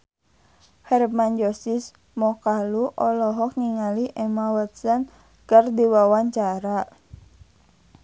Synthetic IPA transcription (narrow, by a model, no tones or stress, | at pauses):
hɛrmand͡ʒɔsis | mɔkaluʔɔlɔɦɔk̚niŋaliʔɛmawət̪̚sən | kərd̪iwawaɲt͡ʃaɾa